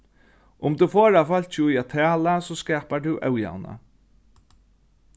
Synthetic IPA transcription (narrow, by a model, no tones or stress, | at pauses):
ʊmt̪ufoːɹafal̥t͡ʃɪʊjat̪ʰæːlasɔskɛːpat̪uwʔɛ̰wja̰wna̰